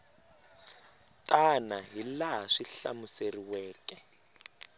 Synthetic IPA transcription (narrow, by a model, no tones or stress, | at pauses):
tʼanaɦilaaʂiɬa̰museriwɛːkʼɛ